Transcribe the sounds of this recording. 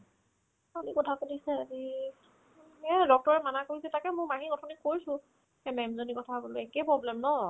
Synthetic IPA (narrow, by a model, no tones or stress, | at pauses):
alikɔtʰakodisɛazi | ɛdɔk̚tɔɹɛmanakoisɛtakɛmʊ̃maɦikɔtʰɔnikoɹisʊ̃ | ɛmɛmzonikɔtʰaboloɛkɛpɹɔblɛmnɔ